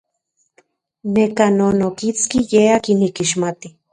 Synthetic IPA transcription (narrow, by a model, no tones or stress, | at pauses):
nekanonokit͡skijeakinikiʃ̬mat̪i